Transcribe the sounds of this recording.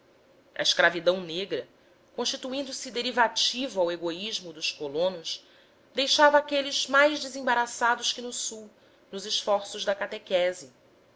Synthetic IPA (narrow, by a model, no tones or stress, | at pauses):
ɐ̰iʃkɾavid̪ɐ̃w̃neɡɾɐ | kõʃt͡ʃit̪uĩnd̪ʊsɪd̪eɾivat͡ʃivʊaweɡoiʒmʊd̪ʊʃkolõnʊʃ | d̪ejʃavɐaːkelɪz̥majʒd͡ʒɪzẽbaɾasad̪ʊʃkɪnʊsuw | nʊzɪʃfɔɾsʊʒd̪ɐkat̪ekɛzɪ